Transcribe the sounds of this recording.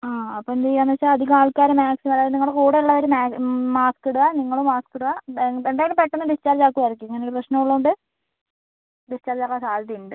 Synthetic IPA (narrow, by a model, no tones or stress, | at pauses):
aːɐpːond̪eanːɐt͡ɕːaɐd̪ʱikaːɭkaːɾɐmaːksimɐlaːðniŋːɐɭkuːɽeuɭːɐʋɐɾumaːmaːskeɽuɣaniŋːɐɭumaːskeɽuɣaend̪aːjilpeʈːɐnːɐbist͡ɕaːrd͡ʑaːkːuʋɐjɾɐk̬ʲːueŋːɐnejoɽeprɐɕnɐmuɭːɐðuɳɖɨ | bist͡ɕaːrd͡ʑaːkːaːsaːlt̪iɳɖɨ